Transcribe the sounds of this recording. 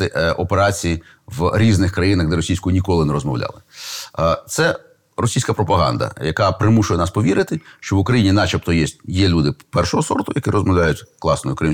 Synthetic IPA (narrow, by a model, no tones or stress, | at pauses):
ɪʔʔɔpeɾɑt͡sʲiji | ʋɾʲiznɪxkɾɐjinɐxd̪ɛɾɔsʲijsʲkʊjinʲikɔlˠɪnɛɾɔzmɔ̰wlʲɑ̰lˠɪ | t̪sɛ | rɔsʲijsʲkɐpɾɔpɐɦɑ̰nd̪ɐ̰jɐkɑpɾɪmuʃʊjɛnɑspɔʋʲiɾɪt̪ɪʃt͡ʃɔʋʊkɾɐjinʲinɑt͡ʃɐpt̪ɔjɛsjɛlʲud̪ɪpɛrʃɔɦɔsɔ̰rt̪ʊjɐkiɾɔzmɔwlʲajʊtʲklˠɑsnɔjʊkɾɪm